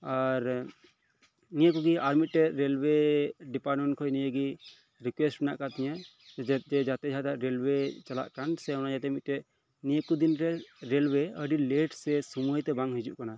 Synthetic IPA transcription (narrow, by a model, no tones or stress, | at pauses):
aɾ | nijəkuɡiaɾmit̪̚ˀʈɛʔɾɛlweɖipaɾmɛnkʰɔjnijəɡi | ɾikwesʈbɛna̰ʔkat̪iɲə | d͡ʒɛd͡ʒat̪ɛd͡ʒʱat̪aʔɾelwet͡ʃala̰ʔkansɛɔnad͡ʒat̪ɛmit̪̚ʈɛʔ | nijəkud̪inɾɛɾelweəɖileʈsɛsumujt̪ɛbaŋɦid͡ʒuʔkana